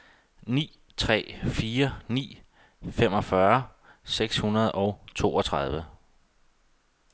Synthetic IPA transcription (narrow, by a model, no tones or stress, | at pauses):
nḭː | t͡sʰʁɛ̰ːfiːɐnḭː | femɒ̽fɶɐ | seɡ̥shunɐð̞ˠɒ̽ʊt͡sʰo̝̰ːɒt͡sʰʁɑð̞ˠʋə